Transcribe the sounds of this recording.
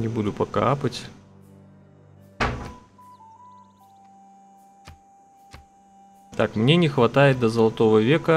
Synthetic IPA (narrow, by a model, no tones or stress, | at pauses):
nʲɪbud̪ʊpɐkapətʲ | t̪akmnʲe̞nʲɪxvɐt̪ajɪt̪̚d̪əzəlˠɐt̪o̞vəvʲekə